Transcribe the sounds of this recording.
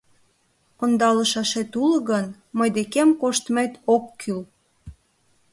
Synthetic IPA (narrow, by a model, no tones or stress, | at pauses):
ond̪ɑləʃɑʃet̪ulə̆ɣən | məjd̪ekemkoʃt̪met̪okːyl